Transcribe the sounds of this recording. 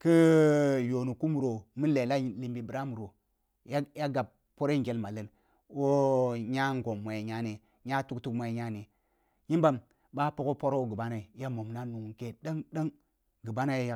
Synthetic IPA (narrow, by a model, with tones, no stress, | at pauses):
ki˦jo˨nu˨ku˦mu˨ɾo˨mi˦le˨la˦˨li˨mbi˨bi˨ɾa˦mu˨ɾo˨ | ja˦ja˦ɡa˨b̚ | pːo˦ɾe˦ŋɡʲe˨lma˨lə˨n | wo˦ɲa˦ŋ˦ɡo˨mːo˨je˨ɲa˦ni˨ | ɲa˦tu˦ktu˦kmo˨je˨ɲa˦ni˨ | ji˦mba˦m | ba˦po˦ko˦po˦ɾo˦wo˦ɡi˨ba˦na˨i˨ja˦mo˨mna˦nu˨ŋ˨ke˨ɗa˦ŋɗa˦ŋ | ɡi˨ba˦na˨jja˨